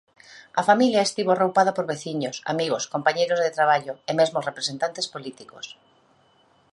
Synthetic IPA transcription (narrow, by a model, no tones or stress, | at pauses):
ɐfamiljaest̪iβorowpað̞apoɾβeθiɲosa̰miɣoskompaɲejɾozðet̪ɾaβ̞aʎoemezmosrepɾesent̪ant̪espolit̪ikos